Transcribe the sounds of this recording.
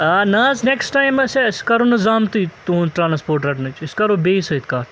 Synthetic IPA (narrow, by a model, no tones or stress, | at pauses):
ɐnaːzneksʈaːjmseskɐɾonɨzaːmt̪it̪ũnʈɾãːnspoːɾʈɾɐʈnɐt͡ʃʰɪskɐɾobeːsɐit̪kaːɾ